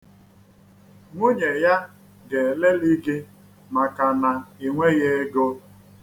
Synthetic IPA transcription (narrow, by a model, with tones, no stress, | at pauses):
ŋʷo˦ɲe˨ja˦ | ɡe˨le˦li˦ɡe˦ | ma˨ka˨na˨e˨ŋʷe˦ɣe˦e˦ɡo˦